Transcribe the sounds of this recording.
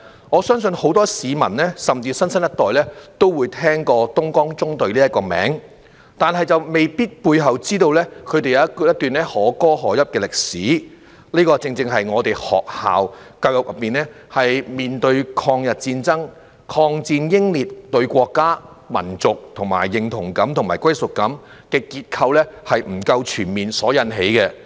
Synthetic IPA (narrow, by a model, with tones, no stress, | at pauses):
ŋɔː˨˧sœː˥ŋsɵ˧nho˨˥wt̪ɔː˥siː˨˧mɐ̰˨˩nlɛː˥sɐ˨mt͡siː˧sɐ˥nsɐ˥njɐ˥t̪ɔː˨jlɛː˥t̪o˥wwuː˨˧jt̪ʰɛː˥ŋkɔː˧t̪ʊ˥ŋkɔː˥ŋt͡sʊ˥ŋt̪ɵ˧ɥliː˥ɐ˥t̚kːɔː˧mɛ̰ː˨˥ŋ | t̪aː˨˩nɦɐ˨jt͡sɐ˨wme˨˩jpiː˥t̚puː˧jɦɐ˨˩wt͡siː˥t̪o˧wlɛː˥kʰɵ˨˧ɥt̪e˨jɐ˨˧ɐ˥jɐ˥t̪̚yː˨˩nɛː˥hɔː˨˥kɔː˥ɦɔː˨˩jɐ˥p̚kɛː˧lɪ˨k̚siː˨˥ | liː˥kɔː˧t͡sɪ˧ŋt͡sɪ˧ŋɦɐ˨jŋɔː˨˧t̪e˨jhɔ̰ː˨k̚ha̰ː˨w | kɐ˧wjɐ˨˩k̚jɐ˨p̚miː˨˩nɛː˥ | hɐ˨jmiː˨nt̪ɵ˧ɥkʰɔː˧ŋjɐ˨t̚t͡siː˧nt͡sɐ˥ŋ | kʰɔː˧ŋt͡siː˧njɪ˥ŋliː˨˩t̚t̪ɵ˧ɥkʷɔː˧kːaː˥ | mɐ̰˨˩nt͡sʊ˨k̚t̪ʰʊ˨˩ŋma̰ː˨˩jːɪ˨ŋt̪ʰʊ˨˩ŋkɐ˨˥mt̪ʰʊ˨˩ŋmaː˨˩jkʷwɐ˥jsʊ˨k̚kːɐ˨˥m | kɛː˧kiː˧t̚kʰɐ˧wlɛː˥hɐ˨jm̩˨˩kɐ˧wt͡ʃʰyː˨˩nmiː˨nsɔː˨˥jɐ˨˧nɦe˨˥jkɛ˧